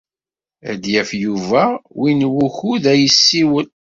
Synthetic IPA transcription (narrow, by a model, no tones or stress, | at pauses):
æ̰d̪jæfjuvæwinwuçuðæjəsːiwən